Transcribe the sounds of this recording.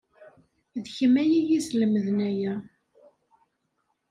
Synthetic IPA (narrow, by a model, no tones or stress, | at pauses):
ðçəmæjijisləməðnæjæ